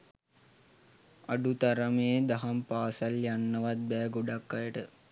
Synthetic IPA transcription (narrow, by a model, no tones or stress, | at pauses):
aɖut̪aɾɐmeːd̪ɐɦɐmpaːsɐljanːəʋat̪̚bæːɡoɖakːajəʈə